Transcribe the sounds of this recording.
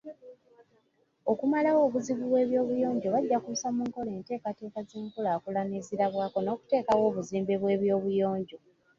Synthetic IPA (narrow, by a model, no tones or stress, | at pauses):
okumalawo̞ːβuziβuβwe̞ːβjo̞ːβujo̞ːɲɟo̞βaɟːakuusamuːŋko̞le̞ːnte̞ːkate̞ːkazeːŋkulaːkulaneziɾaβwaːko̞no̞ːku̥te̞ːkawo̞ːβuziːmbeβwe̞ːβjo̞ːβujo̞ːɲɟo̞